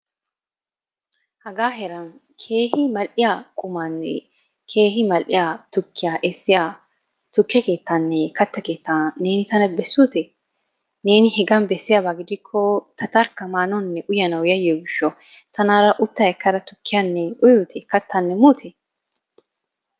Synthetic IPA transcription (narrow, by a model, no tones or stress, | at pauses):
hɐɡaːɦɛɾɐn | kʰeːhɪmɐlʔɪjakʼʊmanːɛ̰ | kʰe̞ːɦɪmɐlʔɪjat̪ʊkːɪjaʔɛsːɪja | t̪ʊkːɪjɐke̞ːt̪ːɐnːɛkɐt̪ːɐkeːt̪ːane̞ːnɪt̪ɐnɐbɛsːut̪ɛ | ne̞ːnɪhɛɡɐnbɛsːɪjabaɡɪd̪ɪkʰːɔt̪ɐt̪ɐɾkːɐmaːnɔnːɛʔʊjɐnɐwjɐjoːɡɪʃːɔ | t̪ɐnaːɾɐʔʊt̪ːaɛkːɐɾɐt̪ʊ̥kːɪjanːɛʊjut̪ʰɛkɐt̪ːɐnːɛmuːt̪ʰɛ